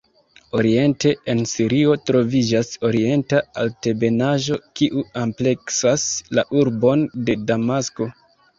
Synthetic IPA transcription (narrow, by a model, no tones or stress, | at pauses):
o̞ɾie̞nte̞ensiɾio̞tɾo̞vid͡ʒaso̞ɾie̞ntaalte̞be̞naʒo̞kiʔuample̞ksaslaʔuɾbo̞nde̞damasko̞